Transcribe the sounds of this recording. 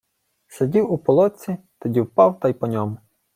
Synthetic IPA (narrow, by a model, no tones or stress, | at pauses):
sʲedʲiwupɔlˠɔt͡sʲit̪ɔdʲiwpɑwt̪ɑjpɔnʲɔmʊ